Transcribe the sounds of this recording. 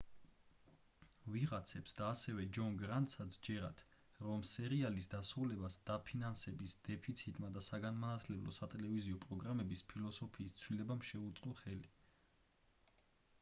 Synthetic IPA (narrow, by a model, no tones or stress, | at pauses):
viʁat̪sʰɛpsd̪aːsɛvɛd͡ʒɔnɡɾant̪ʼsat̪sʰd͡ʒɛɾat̪ʰ | ɾɔmsɛɾialisd̪asɾulɛbasd̪̥apʰinansɛbisd̪̥ɛpʰit̪sʰit̪ʼmad̪asaɡanmanat̪ʰlɛblˠɔ̰sat̪ʼɛlɛviziɔpʼɾɔɡɾamɛbispʰilˠɔsɔpʰiːst̪sʰwilɛbamʃɛut̪sʼqʼɔχɛli